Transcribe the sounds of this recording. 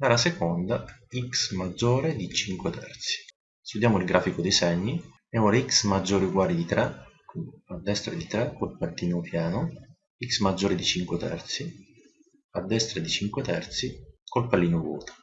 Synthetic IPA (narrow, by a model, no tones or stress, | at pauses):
laɾasekɔnd̪aiksmad͡ʒːoːɾed̪it͡ʃiŋkwet̪ʰɛ̰ɾt̪si̥ | st̪ud̪jaːmʊilɡɾʔaːfikʊd̪isɛɲːi | ɛɔliksmad͡ʒːoːɾiuɡwaːlid̪it̪ɾɛkad̪ːɛst̪ɾad̪it̪ɾɛkːolpart̪iːnʊpjaːnʊ | iksmad͡ʒːoːɾed̪it͡ʃiŋkwɪt̪ɛ̰rt̪si | ad̪ːɛst̪ɾad̪it͡ʃiŋkwet̪ɛrt̪sikolpalːiːnʊvɔ̰ːt̪ḁ